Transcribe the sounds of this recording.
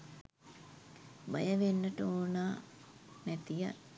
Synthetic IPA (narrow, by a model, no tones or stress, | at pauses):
bajəʋenːəʈoːnaː | mæt̪ija̰